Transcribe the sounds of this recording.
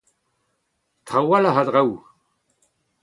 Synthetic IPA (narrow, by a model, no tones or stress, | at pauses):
t̪ʁawalaɦad̪ʁaw